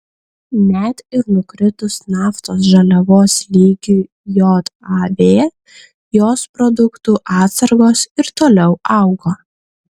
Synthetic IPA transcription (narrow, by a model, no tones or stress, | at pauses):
nʲɛt̪ɪɾnʊkɾʲɪt̪ʊsnɑːft̪oːs̬ʒɐlʲɛʋoːslʲiːɡʲu | joːt̪ɑʋʲeː | joːspɾɔd̪ʊkt̪uʔɑːt̪sɐɾɡoːsɪɾt̪oːlʲɛʊɑˑʊɡoː